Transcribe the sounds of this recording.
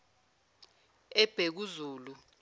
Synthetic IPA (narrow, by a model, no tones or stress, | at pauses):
ɛb̥ʱek̬uzuːlu